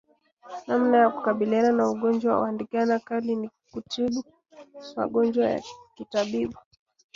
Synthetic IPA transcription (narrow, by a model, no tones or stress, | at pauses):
nam̩najaku̥kaɓiliananauɠɔnd͡ʒwaww̰andikanakalini | kutʰiɓu | ma̰ɠɔnd͡ʒwaja̰kitaɓiɓu